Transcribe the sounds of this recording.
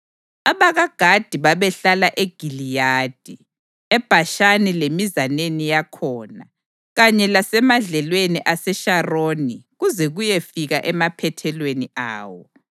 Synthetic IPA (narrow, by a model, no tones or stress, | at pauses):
aβaɣaɡ̥ʱad̥ʱiβaβɛɬalaʔeɡ̥ʱilijaːd̥ʱi | ɛb̥ʱaʃanilemizanenijakʰɔːna | ɣaɲɛlasɛmaɮɛlweniʔasɛʃaroːniɣuzɛɣujefiɣaʔɛmapʰɛtʰɛlwenia̰ːwɔ̰